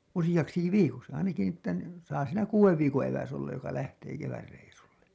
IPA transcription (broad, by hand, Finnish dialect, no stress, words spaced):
usijɑksiki ʋiːkoksi ɑinɑki ni etːæ ni sɑː siːnæ kuːweʋ ʋiːkõː eʋæs olːɑj jokɑ læhteː keʋærːeisulːe